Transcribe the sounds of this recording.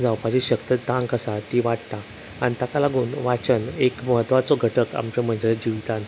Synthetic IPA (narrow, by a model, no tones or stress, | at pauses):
d͡zawpad͡ʑeɕəkt̪əd̪ãŋkəsat̪iʋaʈt̪a | anit̪akalaɡuːnʋat͡ɕənekməɦət̪ʋat͡soɡʱəʈəka̰mt͡ɕem̤əɳd͡ʑeld͡ʑiʋt̪an